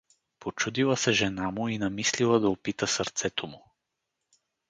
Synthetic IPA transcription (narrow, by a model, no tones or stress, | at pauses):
pot͡ʃud̪ilˠəsɛʒɛnamʊinɐmislilˠəd̪ɐopit̪əsɐɾt̪sɛt̪ʰomʊ